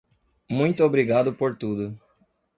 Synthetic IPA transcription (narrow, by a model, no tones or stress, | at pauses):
mũj̃t̪ʊobɾiɡad̪ʊpoɾt̪ud̪ʊ